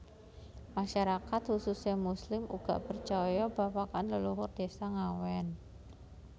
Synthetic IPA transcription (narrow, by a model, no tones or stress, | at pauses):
maʃaɾakat̪hususɲamuslɪmuɡ̥a̰ʔpərt͡ʃɔjɔbapakanləluɦʊrd̪̥esaŋawɛn